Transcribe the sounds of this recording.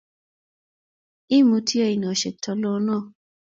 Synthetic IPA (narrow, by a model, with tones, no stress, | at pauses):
i˦mũ˧˦tʰi˦e˦˨i˨nã˨ʃe˨tʰɔ˨˧˦lɔ˦˧˦nã˦˨